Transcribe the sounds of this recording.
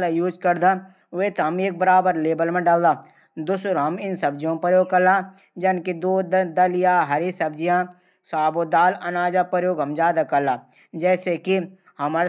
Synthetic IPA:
lajuːd͡ʒkɐɾd̪a | ʋet̪ɦɐmeːk̚bəɾaːbəɾleːbəlmẽɖɐld̪aː | d̪ʊsɾɦɐmɪnsɐbd͡ʒijõpəɾjoːɡ̚kɐɾlã | d͡ʒɐnkid̪oːd̪d̪ɐlɪjaɦɐɾisɐbd͡ʒijãː | saːbod̪aːlɐnaːd͡ʒapəɾjoːɡɦɐmd͡ʒjaːd̪akɐɾlaː | d͡ʒɛːseki | hɐm

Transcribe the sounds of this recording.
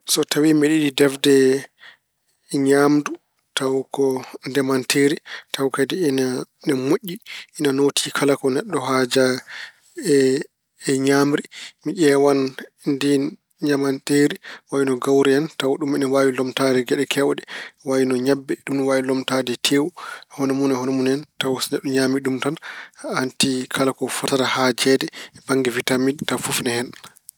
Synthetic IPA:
sɔtʰawimiɗiɗidɛfdɛ | ɲamdu | tawkɔndɛmanteːɾitawkadɛnanɛmoʔʲːiʔinanotʰikʰalakɔnɛɗːɔɦaːd͡ʒa | ɛ | ɛɲaːmɾimiʔɛwan | ndi | ɲamanteːɾiwajinɔɡawɾɛɛntawɗumɛnɛwaːwilɔmtadɛɡɛɗɛkʰɛwɗɛwawinɔɲabːɛɗumwawilɔmtadɛtʰeːwuhɔnɔmunɛhɔnɔmunɛntawsnɛɗːɔɲaːmiɗumtanantikʰalakɔfɔtaɾahad͡ʒɛdɛbaŋɡɛvitamidtafufnɛhɛn

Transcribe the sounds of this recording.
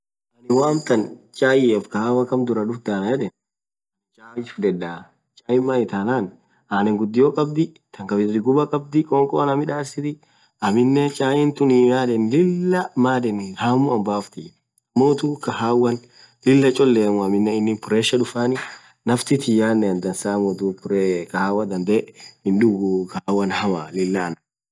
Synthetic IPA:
ʔɐnɪwaːmt̪ɐnt͡ʃʼaːjɪɛfkɐhaːwɐkɐmd̪ʊɾɐᶑʊfd̪aːnɐjɛd̪ɛn | t͡ʃʼaːjɪfdɛᶑːaː | t͡ʃʼaːjɪmːajɪt̪aːnaːn | ʔaːnɛŋɡʊd̪ːɪjoːkʼɐbd̪ɪ | t̪ɐŋkɐbɪsɾɪɡʊbɐkʼɐb̚d̪ɪkʼɔŋkʼɔɐnɐmɪᶑaːɾsɪt̪ɪ | ɐmɪnːɛt͡ʃʼaːjɪnt̪ʊnijaːd̪ɛnlɪlːɐmaːd̪ɛnhaːmʊɐmbaːft̪ɪ | ɐmːoːt̪ukɐhaːwːɐn | lɪlːɐt͡ʃʼɔlːeːmʊɐmɪnːɛɪnːɪmpʊɾeːʃɐᶑʊfaːnɪ | nɐft̪ɪt̪ɪjaːnːɛnd̪ɐnsaːmɔt̪upʊɾekɐhaːwɐd̪ɐnd̪ɛhɪnᶑʊɡukɐaːwːɐnhɐmalɪlːɐːnɐ

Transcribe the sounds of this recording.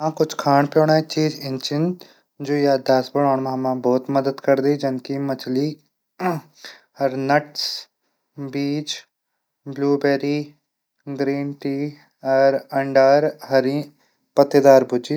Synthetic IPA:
ãkʊt͡ʃʰkʰaːɳpjõːɽaːit͡ʃiːd͡ʒɪ̃nt͡ʃɪ̃nd̪ | d͡ʒoːjaːd̪aːsbəɽaːɳmãmãbɔːt̪məd̪əd̪kɐɾd̪id͡ʒɪnkimɐt͡ʃʰliː | ɐɾnɐʈs | biːt͡ʃ | bluːbeːɾiː | ɡɾiːnʈiː | ɔɾɐ̃ɳɖaɾɦɐɾi | pɐt̪ːed̪aːɾbʱʊd͡ʒi

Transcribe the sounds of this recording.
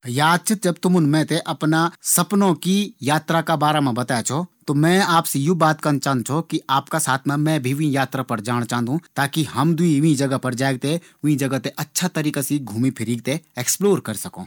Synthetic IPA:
jaːd̪̚t͡ʃʰɪt̪̚d͡ʒɐbt̪ʊmʊnmɛ̃ːt̪eʔɐpnasɐpnõkijaːt̪ɾakabaːɾamẽbɐt̪aːjat͡ʃʰot̪omɛ̃ːaːpsejubaːt̪kɐnt͡ʃãːnd̪̚t͡ʃʰokiaːpkasaːt̪ʰmẽmɛ̃ːbʱiʋĩjaːt̪ɾapɐɾd͡ʒaːñt͡ʃãːnd̪ũt̪aːkiɦɐmd̪ʊĩʋĩd͡ʒɐɡəɦpɐɾd͡ʒaːeɡ̚t̪e | ʋĩd͡ʒɐɡət̪eʔɐtːʃʰat̪ɐɾiːkasiɡʱuːmipʰɪɾiːɡ̚t̪eeːksploːɾkɐɾsɐkõ̰ː

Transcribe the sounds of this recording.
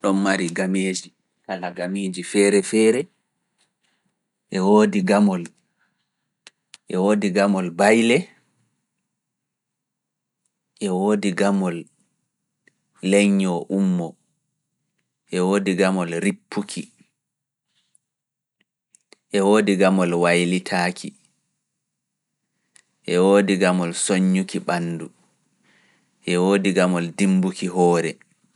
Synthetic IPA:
ɗɔnːaɾiɡameːd͡ʒi | kalaɡameːd͡ʒifɛːɾɛfɛːɾɛ | ʔɛwoːdiɡamɔl | ʔɛwoːdiɡamɔlbajlɛ | ʔɛwoːdiɡamɔl | lɛɲːɔʔumːɔ | ʔɛwoːdiɡamɔlɾipʰːukʰi | ʔɛwoːdiɡamɔlwajlitʰaːkʰi | ʔɛwoːdiɡamɔlsoɲːukiɓanːdu | ʔɛwoːdiɡamɔldimbukiɦɔːɾɛ

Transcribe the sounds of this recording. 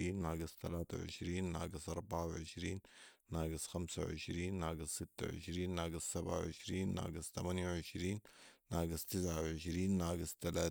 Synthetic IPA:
iːnːaːɡɪst̪a̰laːt̪a̰ʕɪ̰ʃɾiːnːa̰ːɡɪsʔɑɾˤbaʕawʕɪʃɾiːnː | aːɡɪsxamsa̰wʕɪ̰ʃɾiːnːaːɡɪsːɪt̪ːa̰ʕɪ̰ʃɾiːnːaːɡassabʕa̰ʕɪ̰ʃɾiːnːa̰ːɡɪst̪amanjawʕɪʃɾiːnːaːɡɪst̪ɪsʕawʕɪʃɾiːnːaːɡɪst̪alaː

